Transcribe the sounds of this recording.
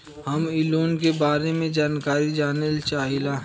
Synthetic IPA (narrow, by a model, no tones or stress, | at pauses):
hɐmɪloːnkebaːɾemẽd͡ʒaːnkaːɾid͡ʒaːnelt͡ʃaːɦilaɦ